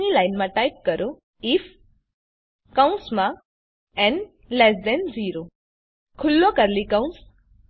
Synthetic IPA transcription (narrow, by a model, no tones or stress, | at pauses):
nilajnmãʈajp̚kəɾo | if | kaũnsmã | ɛ̃n | lɛsdɛnziːɾo | kʰʊlːokəɾlikãũns